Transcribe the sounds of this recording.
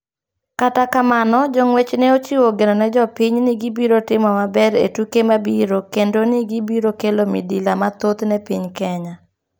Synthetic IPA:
katakamanɔd͡ʒɔŋwet͡ʃnɛot͡ʃiwoɡenɔnɛd͡ʒɔpiɲnɪɡibiɾotɪmɔmabɛɾḛtukemabiɾokendonɪɡibiɾokelomḭdilamat̪ot̪nɛpiɲkɛɲa

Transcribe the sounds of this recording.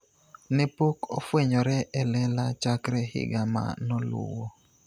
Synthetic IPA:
nɪpoko̰fweɲɔɾɛʔɛlɛlat͡ʃakɾɛhɪ̰ɡama̰nɔlʊ̰wo

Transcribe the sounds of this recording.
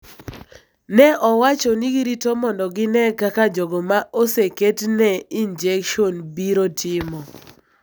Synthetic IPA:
nɛʔɔwat͡ʃɔniɡiɾitomɔndɔɡɪnɛkakad͡ʒɔɡɔmaʔoseketnɛind͡ʒɛkʃonbiɾotʰɪmɔ

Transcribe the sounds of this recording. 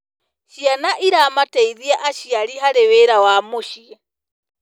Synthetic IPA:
ʃianaʔiɾamataiðiaʔaʃiaɾiɦaɾɛwɛɾawamoʃi

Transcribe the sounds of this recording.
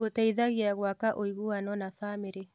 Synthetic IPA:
otaiðaɣiaɣwakaʔoiɣuanɔnafameɾe

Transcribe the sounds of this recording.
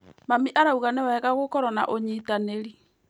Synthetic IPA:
mamiʔaɾauɣanewɛɣaɣokɔɾɔna̰ʔoɲiːtaneɾi

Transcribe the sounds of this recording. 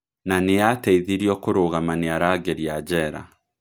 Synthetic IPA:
nanejatɛiðiɾiɔkoɾoɣamaneaɾaːɡeɾiad͡ʑɛɾa̰

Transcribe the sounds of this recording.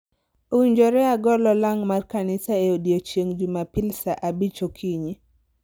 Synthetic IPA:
oiɲd͡ʒoɾɛaɡɔlɔlaŋmarkanɪsaeodiot͡ʃjeŋd͡ʒumapilsaʔabit͡ʃokʰiɲi

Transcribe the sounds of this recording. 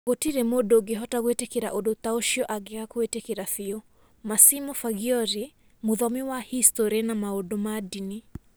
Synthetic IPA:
kɔtiɾɛmɔdɔɡeɦɔtaɣwɛtɛkiɾa̰ʔɔɗɔt̪aɔʃiɔʔaɡeakɔwɛtekiɾaθiɔ | masimɔfaɡiɔɾi | muðɔmiwahistɔɾiɛnamaɔdɔmadini

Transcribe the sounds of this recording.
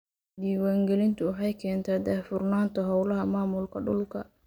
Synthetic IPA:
d̪iːwaːŋɡɛlɪnt̪ʰʊwħɑjkʰɛːnt̪ʰaːd̪ɐfʊrnaːnt̪ʰɔɦɑwlɐɦɐmaːmʊlkʰɐɖʊlkʰɐ

